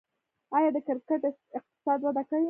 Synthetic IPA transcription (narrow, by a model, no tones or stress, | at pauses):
ɑjɑd̪əkɪɾkəʈɪq̚t̪ɪ̥sɑd̪wad̪akawi